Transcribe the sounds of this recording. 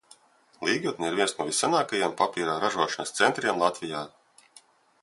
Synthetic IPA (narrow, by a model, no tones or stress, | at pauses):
lˠiːɡut̪̚niiɾviɛnsnɔvisːanaːkajiɛmpapʲiːɾaːɾaʒuɔʃɐnɐst̪sent̪ɾiɛmlˠat̪vʲijaː